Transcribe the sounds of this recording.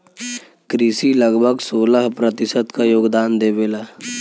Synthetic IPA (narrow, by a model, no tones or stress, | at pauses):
kɾiːsiləɡbʱəɡsoːləɦpɾət̪ɪsəd̪kajoːɡd̪aːnd̪eːbeːlaː